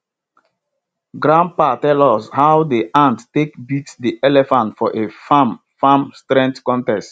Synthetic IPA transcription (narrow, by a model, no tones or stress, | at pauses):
ɡɹãn̚patɛlɔshaʊdiʔãnttekbitdiʔɛlɛfãntfɔʔefam | famstɾɛ̃ntkɔ̃ntɛst